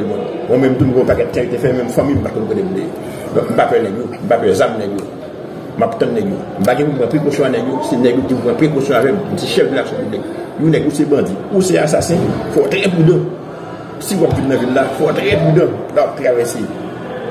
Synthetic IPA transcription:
limɔ̃ | mw̃ɛ̃mɛ̃mt̪um̩kõpakɛt̚t̪ːɛ̃jot̪efɛmɛ̃mfãmĩm̩pakɔ̃mkõdemũdej | dɔ̃k̚m̩papɛnɛɡjom̩papɛzamnɛɡjo | mapt̪ɐ̃nɛɡjo̰m̩paɡɛ̃pum̩pãpɣekosjɔ̃anɛɡjosenɛɡjoɡim̩pãpɣekosjɔ̃avɛkum̩seʃɛfdilaksjɔ̃pyblik̚ | jonɛɡjusebãdiusea̰s̬asɛ̃fɔt̪ɾɛp̬ydɐ̃ | siwaktinnɐ̃vilːafɔt̪ɣɛp̬ydɐ̃lawap̚t̪ɣavɛse

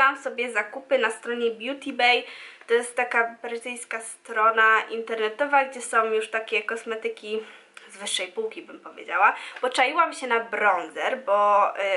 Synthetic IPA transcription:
amsɔbʲjɛzakupɘnast̪ɾɔɲɛbʲjut̪ʲibɛjt̪ɔjɛst̪ːakabɾɪt̪ɘjskast̪ɾɔnaʔint̪ɛɾnɛt̪ɔvaɡd͡ʑɛsɔ̃w̃juʂt̪akʲɛkɔsmɛt̪ɘkʲi | zvɘʂːɛjpuwkʲibɘmpɔvʲjḛd͡ʑawab̥ɔt͡ʂajiwamɕɛnabɾɔnzɛɾbɔ

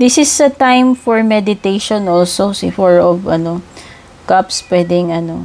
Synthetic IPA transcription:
d̪ɪsɪsd̪ɐt̪ãjmfɔɹmɛd̪ɪt̪ejʃɔnʔolsosɪfɔɹɔvɐ̰no | kapspwɛd̪ɪŋɐno̞̰

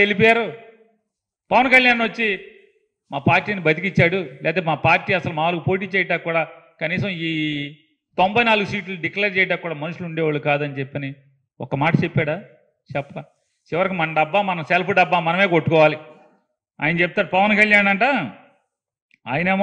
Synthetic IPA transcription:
elip̬ɔːjaːɾu | pɐʋɐnkɐljaːnːʋot͡ʃːi | maːpaːɾʈːiːnibʱɐt̪̬ikit͡ʃːaːɽulɛ̰ːt̪emaːpaːɾʈːiːɐsɐlumaːʋaːlɐkupo̞ːʈ̬iːt͡ʃɛːjɐʈaːkːuːɽaː | kɐniːs̬ɐmiː | t̪ombɐjnaːluɡusiːʈlɐɖikleːɾt͡ʃɛːjʈ̪̬aːkːuːɽaːmɐnuʂuluɳɖɛːʋaːɭːukaːd̪ɐnit͡ʃepːɐni | ɔkːɐmaːʈɐt͡ʃepːaːɽaː | t͡ʃɛpːɐa | t͡ʃiʋɐɾɐkimɐnɐɖɐbːaːmɐnɐmselpʰuɖɐbːaːmɐnɐmeːkoʈːukɔːʋaːli | a̰ːjɐnɐt͡ʃep̬̚ːt̪aːɾupɐʋɐnkɐljaːnɐɳʈaː | a̰ːjineːm

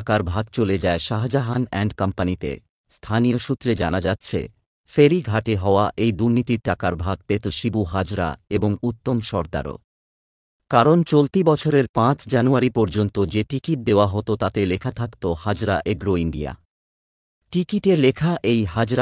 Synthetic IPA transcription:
kaɾbʱaɡ̚t͡ɕoled͡ʑaeʃaɦad͡ʑaɦanɛɳɖkampanit̪ḛ | st̪ʰanijoʃut̪ːɾed͡ʑa̰nad͡ʑatːɕʰḛ | feɾiɡʱaʈeɦɔoaʔejd̪uɾnit̪iɾʈːakaɾbʱaɡ̚t̪et̪oʃibuɦad͡ʑɾa̰eboŋut̪ːomʃɔɾd̪a̰ɾo̰ | kaɾont͡ɕolt̪ibɔt͡ɕʰoɾeɾpãt͡ɕd͡ʑanuaɾipɔɾd͡ʑont̪od͡ʑeʈikiʈ̚d̪eoaɦɔt̪ot̪at̪elekʰat̪ʰakt̪ohad͡ʑɾaʔeɡɾoiɳɖḭja̰ | ʈikiʈelekʰaʔejɦad͡ʑɾa

